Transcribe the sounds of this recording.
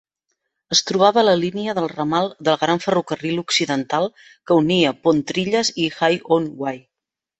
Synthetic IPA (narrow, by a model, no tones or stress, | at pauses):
əst̪ɾuβ̞aβələliniəðəlˠrəmalˠd̪əlˠɣɾaɱfərukəriluksiðənt̪alˠ | kəuniəpont̪ɾiʎəzixajonwaj